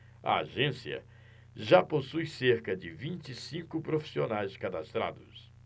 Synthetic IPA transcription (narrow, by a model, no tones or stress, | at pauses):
ɐ̰a̰ʒẽsiɐ̰ | ʒaposujseɾkɐd͡ʒɪvĩt͡ʃɪsĩkʊpɾofi̥sionajskad̪ast̪ɾa̰d̪ʊs